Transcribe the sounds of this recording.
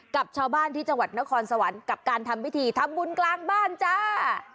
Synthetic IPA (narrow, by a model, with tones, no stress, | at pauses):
ka˨˩p̚t͡ɕʰaː˧wbaː˥˩nt̪ʰiː˥˩t͡ɕa˧ŋwa˨˩t̪̚na˦˥kʰɔː˧nsa˧wa˩˦nka˨˩p̚kaː˧nt̪ʰa˧mwi˦˥t̪ʰiː˧t̪ʰa˧mbu˧nklaː˧ŋbaː˥˩nt͡ɕa˧˥˩